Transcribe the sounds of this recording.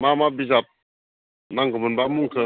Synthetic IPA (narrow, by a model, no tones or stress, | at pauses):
mamabizap̚ | naŋɡəmənbamuŋkə